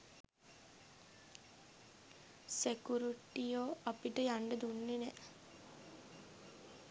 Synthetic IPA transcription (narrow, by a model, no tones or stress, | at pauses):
sekuɾiʈijoːʔapiʈəjaɳɖəd̪unːenɛʔ